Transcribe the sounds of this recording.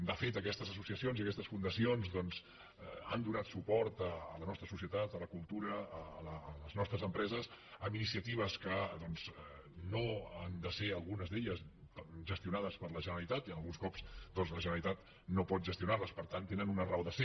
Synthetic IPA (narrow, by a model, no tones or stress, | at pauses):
d̪əfet̪əkɛst̪əzəsusiəsionziəkɛst̪əsfund̪əsionzðɔnz | a̰nd̪unat̪supɔɾt̪əːlənɔst̪ɾəsusijət̪at̪ələkulˠt̪uɾəəːləːləznɔst̪ɾəzəmpɾɛzəs | əminisiət̪iβ̞əskəðɔnz | noand̪əseəlˠɣunəzd̪eʎəzʒəst̪iunaðəspəɾləʒənəɾəlit̪at̪iənəlˠɣunskɔpsd̪ɔnzləʒənəɾlit̪at̪ | nopɔt̪̚ʒəst̪iunarləspəɾt̪ant̪enənunəraoðəse